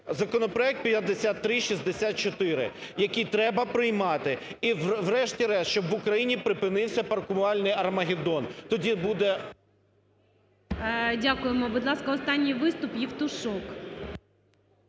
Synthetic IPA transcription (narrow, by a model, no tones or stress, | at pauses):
zɐkɔnɔpɾɔɛk̚t̪̚pjɐd̪ːesʲat̪ːɾɪʃʲizʲd̪esʲat̪̚t͡ʃɔt̪ɪɾɪ̰jɐkijt̪ɾɛbɐpɾɪjmɑt̪ɪiʋɾɛʃtʲiɾɛst͡ʃɔbʋʊkɾɐjinʲipɾɪpɪnɪwsʲɐpɐrkʊmɑlʲnɪjɐrmɐɦʲɪd̪ɔnt̪ɔdʲibud̪ɛ | dʲakʊjemɔbʊd̪lˠɑskɐɔst̪ɑnʲːijʋɪst̪ʊpjiwt̪ʊʃɔk